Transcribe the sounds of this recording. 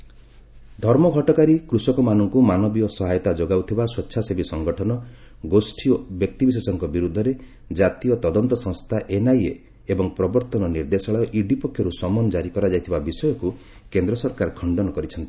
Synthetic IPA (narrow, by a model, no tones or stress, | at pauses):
d̪ʱɔɾmɔɡʱɔʈɔkaɾikɾusɔkɔmanɔŋkumanɔbiɔsɔɦajɔt̪ad͡ʒoɡawt̪ʰibaswɔtːʃʰasebisɔŋɡɔʈʰɔnɔ | ɡosʈʰiobjɔk̚t̪ibis̬esɔŋkɔbiɾud̪ʱːɔɾe | d͡ʒat̪ijɔt̪ɔd̪ɔnt̪ɔsɔ̃ŋst̪ʰaʔenaje | ebɔŋpɾɔbɔɾt̪ɔnɔniɾd̪esɔɭaɔʔiɖipɔkʰjɔɾusɔmɔnd͡ʒaɾikɔɾad͡ʒajt̪ʰibabisɔjɔku | kend̪ɾɔsɔɾkaɾkʰɔɳɖɔnɔkɔɾit͡ʃʰɔnt̪i̥